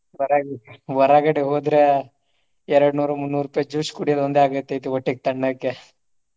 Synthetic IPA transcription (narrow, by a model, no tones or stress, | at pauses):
ʋɐɾaɡʋɐɾaːɡɐɽeɦoːd̪ɾe | ɛɾɐɽnuːɾɐmunːuːɾuːpːɐjd͡ʒuːʂkuɽijɐd̪ond̪eaːɡɐt̪ːejt̪ioʈːiɡ̚t̪ɐɳːɐkːe